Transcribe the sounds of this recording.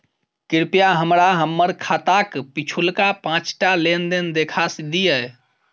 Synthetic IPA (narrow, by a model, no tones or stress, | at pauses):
kiɾpijaɦəmɾaɦəmːəɾkʰat̪akpit͡ʃʰulkapãt͡ʃʈalend̪end̪ekʰasd̪iə